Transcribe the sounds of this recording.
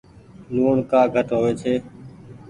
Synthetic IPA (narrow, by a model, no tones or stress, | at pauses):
luːɳkaːɡʱəʈɦoːʋeːt͡ʃʰeː